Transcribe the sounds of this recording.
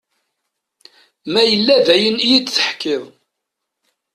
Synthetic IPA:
mæjəlːævæjənijid̪θə̥ħkːɪðˤ

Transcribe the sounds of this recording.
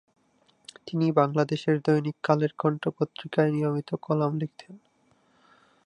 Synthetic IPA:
t̪inibaŋlad̪eʃeɾd̪ojnikːaleɾɡʰɔɳʈopot̪ːɾikaenijomit̪okɔlamlikt̪ʰen

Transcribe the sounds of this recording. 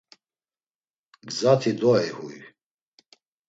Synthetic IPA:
ɡzat̪ʰid̪ɔɛhuj

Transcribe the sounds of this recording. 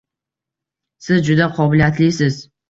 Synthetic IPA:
sɨd͡ʒʊd̪ɐqʷʰoblʲaːt̪ʰlisɨz

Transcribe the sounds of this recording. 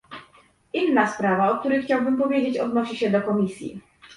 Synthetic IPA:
inːaspɾavaɔk̚t̪uɾɘjxt͡ɕawbɘmpɔvʲjed͡ʑet͡ɕɔd̪nɔɕiɕɛd̪ɔkɔmʲisʲjḭ

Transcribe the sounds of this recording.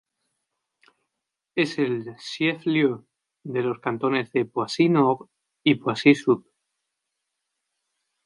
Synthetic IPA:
eselsjeflju | ðe̞loskant̪o̞ne̞zðe̞pwasinoɾ | ipwasisup

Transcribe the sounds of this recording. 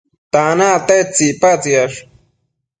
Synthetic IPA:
t̪anat̪et͡sipat͡siaʂ

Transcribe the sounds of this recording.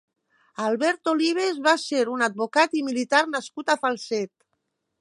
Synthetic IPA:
alˠβɛɾt̪oliβ̞ezβaseɾunad̪̚βokat̪imilit̪aɾnaskut̪afalˠsɛt̪

